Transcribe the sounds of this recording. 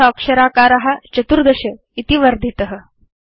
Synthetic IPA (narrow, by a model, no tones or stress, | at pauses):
aːkʂɐɾaːkaːɾaɦat͡ɕɐt̪uɾd̪ɐɕə | it̪iʋɐɾd̪ʱit̪əɦə